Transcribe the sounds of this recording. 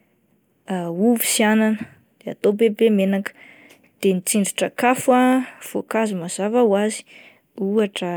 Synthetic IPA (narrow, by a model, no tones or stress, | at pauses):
auvi̥siananə | d̪̥ea̰t̪obebemenakə̥ | d̪̥enit͡siɳɖ͡ʐiʈ͡ʂəkafav̥okazumaz̥avawazi̥ | uaʈ͡ʂə